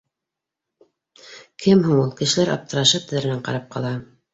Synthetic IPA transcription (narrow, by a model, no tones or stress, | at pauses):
kʰɘmɦuɴulˠkɘ̆ʃɘ̆læɾɑ̰p̚t̪ɤ̆ɾɑʃɤt̪ɘ̆ðɘɾɘ̆næɴqɑ̰ɾɑp̚qʰɑ̰lˠɑ